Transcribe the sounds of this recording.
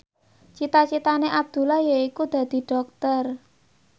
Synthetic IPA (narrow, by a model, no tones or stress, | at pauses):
t͡ʃit̪at͡ʃit̪aneʔab̚d̪̥ṳlahjaikud̪̥a̤d̪̥i̤ɖ̥ɔ̤k̚t̪ər